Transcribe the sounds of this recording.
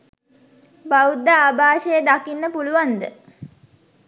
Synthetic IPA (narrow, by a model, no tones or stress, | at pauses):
baud̪ːaːbʱaːʃəjəd̪akinːəpuluʋand̪ə̰